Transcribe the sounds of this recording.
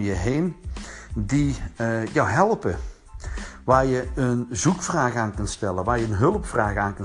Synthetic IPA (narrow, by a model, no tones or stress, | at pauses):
jəɦeːn | dijawɦɛlˠpə | ʋaːrjəənzukfraːɣaːnkəntstɛlˠəʋaːrjəənɦɵlˠəpfraːɣəaːnkən